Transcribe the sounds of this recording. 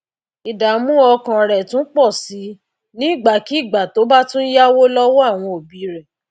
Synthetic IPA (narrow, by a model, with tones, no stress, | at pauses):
i˨da˨˦mũ˦ɔ˧kã˨ɾɛ˨tũ˦k͡pɔ˦˨si˨˦ | nĩ˦i˦˨ɡ͡ba˨ki˨˦i˦˨ɡ͡ba˨to˨˦ba˦tũ˦n̩˦ja˦wo˦lɔ˦wɔ˦a˦˨w̃ɔ̃˧o˨bi˨˦ɾɛ˨